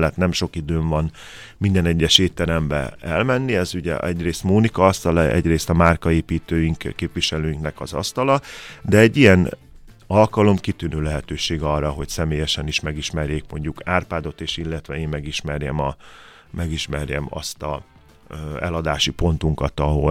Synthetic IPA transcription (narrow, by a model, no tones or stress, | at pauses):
ɛt̪nɛmʃo̞kid̪øːɱvɒn | mind̪ɛnɛɟːɛʃeːt̪ːɛɾɛmbɛ̰ɛlmɛnːiɛzuɟɛ̰ʔɛɟreːst̪moːnikɒɒst̪ɒlɛ̰ɟreːst̪ɒmaːrkɒeːpiːt̪øːjiŋkkːeːpʋiʃɛløːjiŋknɛkɒzɒ̰st̪ɒlɒd̪ɛɛɟːijɛn | ɒlkɒlo̞mkit̪ynøːlɛɦɛt̪øːʃeːɡɒrːɒɦo̞csɛmeːjɛʃɛniʃmɛɡiʃmɛrjeːkmo̞ɲɟukaːrpaːd̪o̞t̪eːʃilːɛt̪ʋɛeːmmɛɡiʃmɛrjɛmɒ | mɛɡiʃmɛrjɛ̰mɒ̰st̪ɒ̰ | ɛlɒd̪aːʃipo̞n̪t̪uŋkɒt̪ɒɦo̞